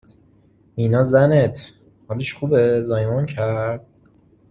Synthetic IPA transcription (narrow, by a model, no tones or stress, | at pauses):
minɒːzænet̪ʰ | hɒːleʃxubezɒːjmɒncʰæɾd̪̥̚